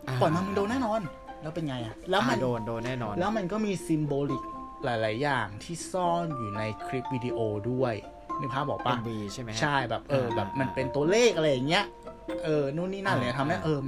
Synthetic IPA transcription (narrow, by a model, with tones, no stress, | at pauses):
pɔː˨˩jmaː˧mɯ˧ndoː˧nɛː˥˩nɔː˧n | lɛː˦˥wpe˧njŋa˧jʔa˨˩lɛː˦˥wma˧n˧o˧˥˧lɛː˦˥wma˧nkɔː˥˩miː˧si˧mboː˧li˨˩k̚laː˨˩˦jlaː˩˦jːaː˨˩ŋt̪ʰiː˥˩sɔː˥˩njuː˨˩na˧jkʰɾi˦˥p̚wiː˧diː˧ʔoː˧du˥˩əj | miː˥˩pʰaː˥˩bɔː˨˩k̚pa˦˥˩i˧t͡ɕʰa˥˩jbɛː˨˩p̚ʔɤː˧bɛː˨˩p̚ma˧npe˧nt̪u˧ɐleː˥˩k̚ʔa˧ɾa˧jːa˨˩ŋːi˦˥ɐʔɤː˧nuː˦˥˩niː˥˩na˥˩˨ni˦˥˩a˧mːa˥˦wa˥ʔɤː˧